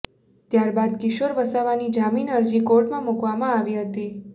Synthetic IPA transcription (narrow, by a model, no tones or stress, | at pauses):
t̪jaɾbad̪kɪʃoɾbəsaʋanid͡ʒaminəɾd͡ʒikoʈmãmukʋamãaʋiɦət̪i